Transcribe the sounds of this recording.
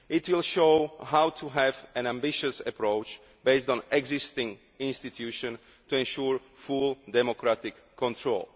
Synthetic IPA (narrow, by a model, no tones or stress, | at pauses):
ɪt̪wilʃoʊɦaʊt̪ʰuɦɛvɛ̃nãmbɪʃəsɛpɾoʊt͡ʃ | beɪsdɔ̃nɛɡzɪst̪ɪ̃ŋ | ĩnst̪it̪ʰjuːʃɔ̃n | tuɛ̃nʃuːɹ | fuldɛmokɾat̪ɪkʰːɔ̃nt̪ʰɹo̰ːl